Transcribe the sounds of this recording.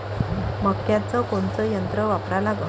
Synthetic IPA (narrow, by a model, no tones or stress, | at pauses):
məkːjat͡səkoɳt͡səjənt̪ɾəʋapɾalaɡə̰